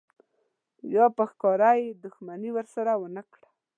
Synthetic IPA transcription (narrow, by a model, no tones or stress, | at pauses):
jɑpəxkɑɾajed̪ʊxmaniwəɾsaɾawənəkɽa